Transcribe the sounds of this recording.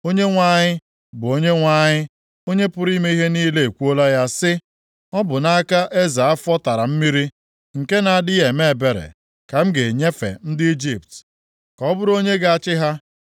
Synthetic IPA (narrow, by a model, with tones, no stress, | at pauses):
o˦ɲe˦ŋʷa˦ɲɪ˦ | bʊ˨o˦ɲe˦ŋʷa˦ɲɪ˦ | o˦ɲe˦pʊ˦ɾi˦me˦i˦ɦe˦niː˦le˦e˨kʷu˦o˦la˦ja˦sɪ˦ | ɔ˦bʊ˨na˦a˦ka˦ʔe˦za˨a˦fɔ˦ta˨ɾa˨m̩˦mi˦ɾi˦ | ŋ̩˨ke˦na˨a˨dɪ˦e˨me˦˨be˨ɾḛ˨ | ka˨m̩˦ɡe˨ɲe˦fḛ˨n̩˦dɪ˦i˦d͡ʒi˨p̚t | kɔ˦bʊ˦ɾo˦ɲe˦ɡa˦˨a˨t͡ʃɪ˦ɦa˦